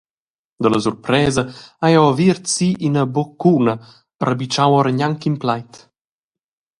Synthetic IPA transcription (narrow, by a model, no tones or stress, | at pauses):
d̪ələsurpɾɛːzəajawviɾtt͡siʔinəbɔkːunə | rəbit͡ʃawəɾɲaŋkimplajt̪